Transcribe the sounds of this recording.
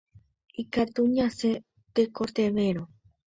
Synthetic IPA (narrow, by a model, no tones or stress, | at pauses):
ikat̪uɲãse | t̪ekot̪eʋeɾo